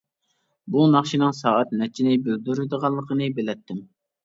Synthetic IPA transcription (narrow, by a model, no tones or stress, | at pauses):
bunɑχʃinɨŋsɑːɛt̪nɛt͡ʃʰːinɪbeld̪yɾɨd̪əʁɑlˠːəqʰənɨbelɛt̪ʰːɪm